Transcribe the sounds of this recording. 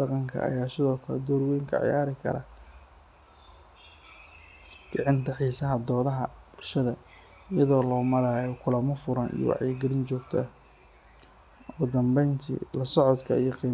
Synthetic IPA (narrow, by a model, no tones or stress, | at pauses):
dɑqɑŋkʰɐ̰ʔɐ̰jaːsɪðɔːkʰɐlɛ̰d̪ɔːɾwɛjŋkʰɐ̰ʕ̰ja̰ːɾɪkʰɐ̰ɾɐ̰ | ɡ̥ɑʕɪnt̪ʰɐħiːsɐɦɐd̪ɔːðɐɦɐb̥ʊlʃɐðɐ | jɐðɔːlɔːmɐɾaːjɔkʰʊlɐmɐfʊɾɐnʔḭjɔ̰wɑ̰ʕjɐɡɐlɪnt͡ʃɔːɡt̪ʰɐ | ɔːd̪ɐmbɛjnt̪ʰḭlɐsɔʕɔd̪kʰɐ̰ijɔqiː